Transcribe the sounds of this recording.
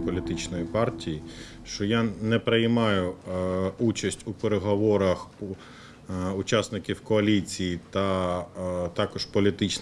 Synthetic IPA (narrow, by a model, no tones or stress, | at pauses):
pɔlʲit̪ɪt͡ʃnɔjipɑrtʲiji | ʃt͡ʃɔjanɛpɾejmɑjʊ | ut͡ʃɐsʲtʲupeɾeɦɔʋɔɾɐx | ʊt͡ʃɑsnɪkʲiwkɔɐlʲit͡sʲijit̪ɐ | t̪ɑkɔʃpɔlʲit̪ɪt͡ʃ